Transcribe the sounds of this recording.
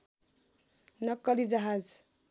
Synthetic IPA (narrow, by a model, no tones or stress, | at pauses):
nʌkːʌlid͡ʒʌɦad͡z